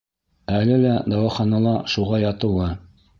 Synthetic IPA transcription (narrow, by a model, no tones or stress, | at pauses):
ælɘlæd̪ɑwɑχɑnɑlˠɑʃuʁɑjɑt̪ɤ̆wɤ